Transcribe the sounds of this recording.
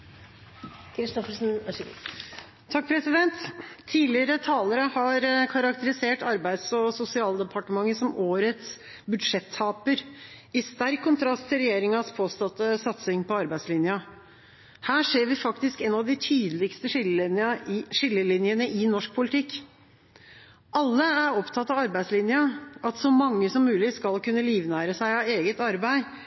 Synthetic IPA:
kʰɾɪst̪ɔfəsn | t̪ʰɑk̚ːpʰɾɛsɪd̪ɛnt̪ʰːiːlɪɾət̪ʰɑːləɾəhɑɾkʰɑɾɑkt̪əɾɪseːʈɑɾbæɪd̪sɔsʊsɪɑːld̪əpʰɑʈəmɑŋːəsɔmʔoːɾət̪s | bʉd̪ʂɛt̪ʰːɑːpəɾɪst̪æɾkʰːʊnt̪ʰɾɑst̪ʰːɪlɾɛjeːɾɪŋɑspʰoːst̪ɑt̪ːəsɑt̪sɪŋpɔɑɾbæɪslɪnjɑ | hæːʂeːɾʋɪfɑkt̪ɪskɛnɑʋd̪ɪt̪ʰyːd̪əlɪkst̪ə | ʂɪlːəlɪnjənəʔɪnɔʂk̚pʰʊlɪt̪ʰɪkː | ʔɑlːəæɾɔpt̪ʰɑt̪ːɑʋɑɾbæɪslɪnjɑʔɑt̪sɔmɑŋːəsɔmːʉːlɪskɑlkʉnːəliːʋnæːɾəsæɪɑeːɡət̪ɑɾbæɪ

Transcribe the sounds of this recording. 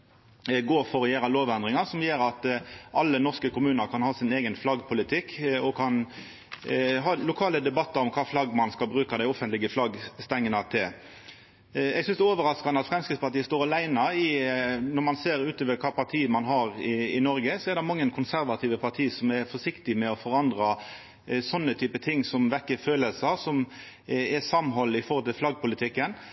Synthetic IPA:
ɡoːfɔʁɔjeːɾɑloːʋɛnd̪ɾɪŋɑsɔmjeːɾɑt̪ɑlːənɔʁskəkʊmʉːnəɾkʰɑnhɑːsɪneːɡənflɑɡpʰʊlɪt̪ʰɪkːɔkʰɑn | ɦɑːlʊkʰɑːləd̪ɛbɑt̪ːɑɾɔmkʰɑːflɑɡmɑnskɑlbɾʉːkɑd̪æɪɔfənt̪lɪɡəflɑɡst̪ɛŋːənɑt̪ʰɪl | ɛɡsʏnsd̪ɛɔːʋəɾɑskɑnəɑt̪fʁɛmskɾɪt̪spɑt̪iːəst̪oːɾɑlæɪnɑɪnɔɾmɑnseːɾʉːt̪oːʋəɾkʰɑːpʰɑt̪ʰiːəmɑnɦɑɾɪɪnɔɾɡəsɔɛɾd̪ɛmɑŋːənkʰʊnsæɾʋɑt̪ʰiːʋəpʰɑʁt̪ʰiːəsɔmɛɾfɔʂɪkt̪ɪmɛɔfɔɾɑnd̪ɾɑ | sɔnːət̪ʰyːpət̪ʰɪŋːsɔmʋɛkːəføːləlsəsɔm | ɛsɑmɦɔlːɪfɔɾhɔlt̪ʰɪlflɑɡ̚pʊlɪt̪ʰɪkːən

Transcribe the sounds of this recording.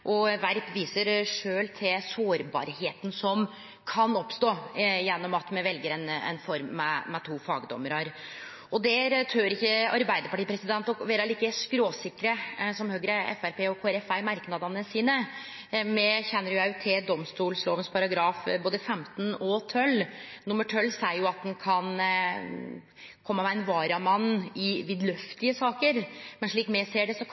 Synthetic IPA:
ʔɔʋæɾt̪ʋiːsəɾʂøːlt̪ʰɪsoːɾbɑ̰ɾheːt̪nsɔm | kʰɑnɔpst̪oːjɛnːɔmɑt̪mɛʋɛlɡəɾɛnɛ̰nfɔɾmːɛːɛt̪ʰuːfɑːɡd̪ɔ̰mːəɾəɾ | ɔd̪ɛt̪ʰøːɾɪkːəɑɾbæɪd̪əɾpɑʈiːpɾɛsɪd̪ɛnt̪ɔʋeːɾɑliːkəskɾoːsɪkːɾəsɔmhøːɡɾəɛ̰fæɾpeːɔkʰoːæɾɛfæɪmɑɾknɑd̪ɑnəsiːnə | mɛçɛnːəɾjʊjæt̪ʰɪd̪ɔmst̪uːlsloːʋənspʰɑɾɑɡɾɑːfboːd̪əfɛmt̪nɔt̪ʰœlnʊmːəʈʰœlːsæɪəɾjʊɑt̪̚d̪ɛnkʰɑn | kʰɔmːəmɛæɪnʋɑːɾɑmɑnːɪʋɪd̪lœft̪ɪəsɑːkəɾmɛnʂɭiːkmɛseːɖɛsɔ

